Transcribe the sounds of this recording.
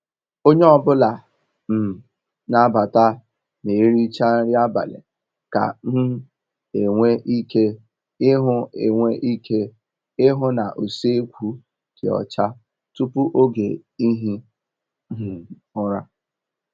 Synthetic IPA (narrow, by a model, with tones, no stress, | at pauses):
o˦ɲe˦ɔ˨bʊ˦la˨ | m̩˨ | na˦ba˨ta˦ | ne˨˦ɾi˦t͡ʃa˦n̩˦ɾɪ˦a˦ba̰˨lḛ˨ | ka̰˨˦ | e˨ŋʷe˦ʔi˦ke˦ | ɪ˦ɦʊ˦ḛ˨ŋʷe˦ʔi˦kʰe˦ | ɪ˦ɦʊ˦na̰˨ʔu˨se˦kʷu˦ | kɪ˨ɔ̰˨t͡ʃa˦ | tu˦pu˦ʔo˦ɡḛ˨i˦ɦi˦ | ɦ̩˨ʊ˦ɾa˦